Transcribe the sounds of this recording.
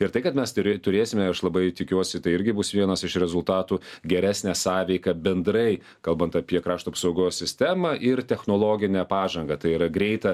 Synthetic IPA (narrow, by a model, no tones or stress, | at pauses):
ɪɾt̪ɐɪkɐt̪mʲɛst̪ʊɾʲt̪ʊɾʲeːsʲɪmʲɛɐʃlˠɐbɐɪt̪ʲɪkʲuɔsʲɪt̪ɐɪɪɾʲɡʲɪbʊsʋʲiɛnɐsɪʃɾʲɛzʊlˠt̪ɑːt̪uːɡʲɛɾʲæːsʲnʲæːsɑːʋʲɛɪkɐbʲɛnd̪ɾɐɪ | kɐlˠbɐnt̪ɐpʲiɛkɾɑːʃt̪uɐpsɐʊɡoːssʲɪsʲt̪ʲæmɐʔɪɾt̪ʲɛxnoːlˠoːɡʲɪnʲæpɑːʒɐŋɡɐt̪ɐɪiɾɐɡɾʲɛɪt̪ɐ